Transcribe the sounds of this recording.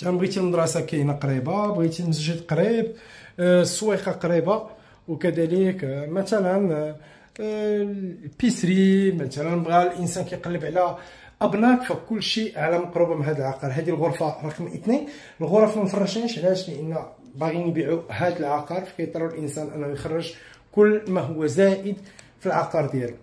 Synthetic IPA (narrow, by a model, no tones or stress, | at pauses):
t̪nbɣit̪ilməd̪ɾˤɑsɑkæjnaqɾibabɣit̪ilmzæʒæd̪qɑɾib | sˤːwiqɑqɑɾiba | wkæd̪æləkmæt̪ælən | pisɾimæt̪ælənbɣælʔənsænkæjqɑlːəbʕlæ | ʔɑbnækfækʊlːʃiʕlæmɑqɾubamɦæd̪əlʕɑqɑɾˤɦæd̪ilɣʊɾˤfɑɾˤɑqmʔət̪ni | əlɣoɾˤɑfmænfɑrˤːɑʃnæʃʕlæʃləʔənː | baɣinbiʕuhæd̪əlʕɑqɑɾˤfæ̥kæjt̪ˤɾˤulʔənsænʔənːæjxɑrˤːəʒ | kʊlːmæɦʊwːæzæʔəd̪ | filʕɑqɑɾˤd̪jæl